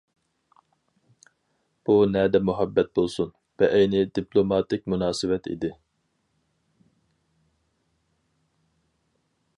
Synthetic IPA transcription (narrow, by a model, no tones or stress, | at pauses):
b̥unɛd̪ɛmuɦɛbːɛt̪̚bolˠsun | vɛʔɛjnɪd̪ipʰlˠomɑːt̪ɪk̚ʲmunɑːsɨwɛt̪ʰḭd̪ɪ